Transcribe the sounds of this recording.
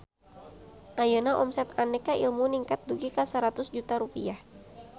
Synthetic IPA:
ʔajonaʔɔmsɛt̪anɛkaʔḭlmuniŋkat̪̚duɡikasəɾat̪ʊsd͡ʒut̪aɾupiah

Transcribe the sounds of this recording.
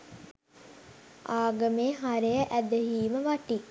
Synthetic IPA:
aːɡəmeːɦaɾejəʔæd̪əɦiːməʋaʈi

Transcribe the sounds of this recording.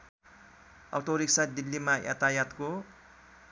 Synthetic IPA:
a̰wt̪oɾiksad̪ilːimaja̰t̪ajat̪ko

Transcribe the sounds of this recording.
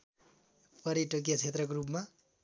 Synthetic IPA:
pʌɾiʈok̬jat͡sʰet̪rʌkoɾupma

